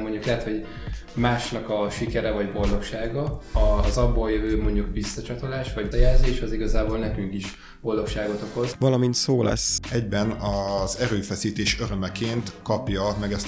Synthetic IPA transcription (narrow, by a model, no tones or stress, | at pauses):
mo̞ɲɟuklɛɦɛt̪ho̞ɟ | maːʃnɒkɒʃikɛɾɛvɒɟbo̞ld̪o̞kʃaːɡɒɒzɒbːoːljøvøːmo̞ɲɟukbisːɒt͡ʃɒt̪o̞laːʃvɒɟjɛːlzeːʃɒziɡɒzaːbolnɛkyŋkiʃ | b̥o̞ld̪o̞kʃaːɡo̞t̪o̞ko̞zvɒlɒmint̪soːlʔɛ̰sːɛɟbɛnɒzɛɾøːfɛsiːt̪eːʃø̞ɾømɛkeːnt̪kɒpjɒmɛɡɛst̪